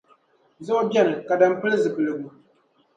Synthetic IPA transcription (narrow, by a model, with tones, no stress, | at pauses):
zʊ˦ʔʊ˦bjɛ˦nɨ˨ka˨da˦˨m˦pɨ˦lɨ˦zɨ˨pɨ˨lɨ˨ɡu˦